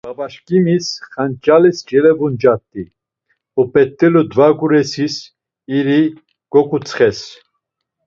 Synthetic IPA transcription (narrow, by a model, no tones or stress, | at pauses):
babaʃkʼimisχant͡ʃʼalisd͡ʒɛlɛvund͡ʒat̪ʼːi | upʼɛt̪ʼːɛlud̪vaɡuɾɛsis | iɾi | ɡ̥ɔkʼut͡sʼχɛs